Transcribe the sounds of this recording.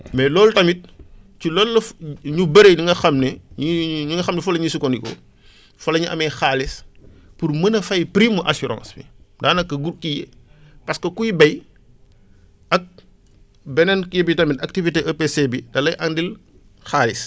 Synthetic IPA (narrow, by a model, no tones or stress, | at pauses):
mɛlɔːltɐmit̚cilɔːlːɐfɲubɐɾeɲiŋɡɐxɐmnɛɲiɲuŋɡɐxɐmnɛfɔlɐɲisukɔndikɔ̰ | fɐlɐɲiʔɐ̰mɛjxaːlis | purmɐnɐfɐjpɾimːuʔɐsuɾã̰ːnsbḭdaːnɐkːɐɡurkijḛ | pɐskɐkujbɐj | ʔɐk̚ | bɛnɛnkjebitɐmitɐk̚tiviteʔɐpesebidɐlɐjʔɐndil | xaːlis